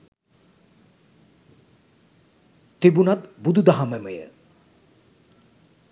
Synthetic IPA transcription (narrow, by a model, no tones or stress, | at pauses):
t̪ibunat̪bud̪ʱud̪aɦaməməjə̰